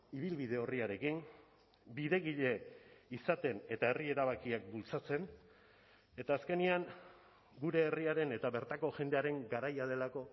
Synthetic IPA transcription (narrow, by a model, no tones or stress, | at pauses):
iβ̞ilβiðe̞o̞riaɾe̞kin | biðe̞ɣiʎe̞isat̪e̞ne̞t̪ae̞rie̞ɾaβakiak̚bult͡sat͡se̞n | e̞t̪aːske̞niaŋ | ɡuɾe̞ːriaɾe̞ne̞t̪aβe̞ɾt̪ako̞ʝe̞nd̪e̞aɾe̞ŋɡaɾajað̞e̞lako̞